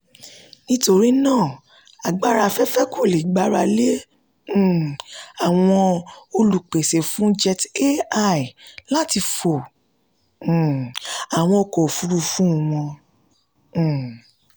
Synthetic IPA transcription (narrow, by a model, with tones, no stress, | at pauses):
nĩ˦to˧ɾi˦nãː˦˨ | a˨ɡ͡ba˦ɾa˧fɛ˦fɛ˦ku˦˨le˨ɡ͡ba˨˦ɾa˧lẽ˦˨ | a˨w̃ɔ̃˧o˧lu˨k͡pe˨se˨fũ˦d͡ʒɛ˧te˦a˦i˨la˦ti˧fo˨ | a˨w̃ɔ̃˧kɔ˨fu˨˦ɾu˧fũ˦˨˧w̃ɔ̃˧˨